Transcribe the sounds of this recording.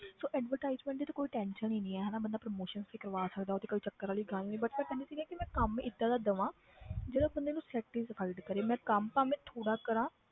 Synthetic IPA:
soːʔɛːɖʋəɾʈaːɪzmɛ̃ːʈd̪iːt̪akoːiːʈɛ̃ːnʃəniːnĩːɛːɦɛːnaːbənd̪aːpɾəmoːʃənsfekəɾʋaːsəkd̪aːot̪eːkəʋiːt͡ʃəkːəɾaːliːɡəlnĩːbəʈmɛ̃k̪ɛ̃ːnd̪eːsiːɡɛːkɪmɛ̃ːkəmɪt̪ːãːd̪aːd̪əʋãː | d͡ʒeːɽaːbənd̪eːnũːsɛːk̚ʈiːzəpʰaɪɖkəɾeːmɛ̃ːkəmpaːmɛ̃ːt̪ʰoːɽaːkəɾãː

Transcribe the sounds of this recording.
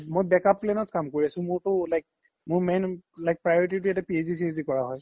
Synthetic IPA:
mojbɛkap̚klɛnɔtkamkoɹiasʊ̃mʊɹtʊlajk̚ | mʊɹmejnlajk̚pɹajɔɹititʊjatɛpiezis̬izikɔɹaɦɔj

